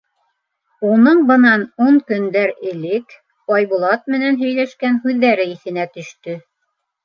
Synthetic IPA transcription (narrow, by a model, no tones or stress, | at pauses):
unɤɴbɤ̆nɑnuɴkɵ̆nd̪æɾɘ̆lɘk | ɑjβulˠɑt̪̚mɘ̆nænɦɵ̆jlæʃkænɦʉðːæɾɘiθɘ̆næt̪ɵ̆ʃt̪ɵ